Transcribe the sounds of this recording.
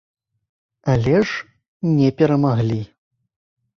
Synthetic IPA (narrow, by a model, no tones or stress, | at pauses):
alʲɛʂ | nʲɛpʲɛɾɐmaɣlʲi